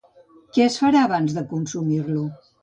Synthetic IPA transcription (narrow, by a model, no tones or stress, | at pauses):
kɛəsfəɾaəβ̞anzðəkunsumirlu